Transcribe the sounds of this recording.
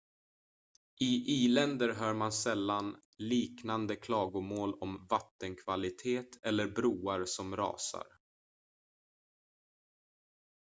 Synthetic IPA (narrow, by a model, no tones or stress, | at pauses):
ʔɪʔiːlɛnd̪əɾɦœːɾmansɛlːan | liːknand̪əkʰlɑːɡʊmoːlɔmvat̪ːənkʰvalɪt̪ʰeːt̪ʰɛlːəɾbɾuːaɾsɔmɾɑ̰ːsa̰ɾ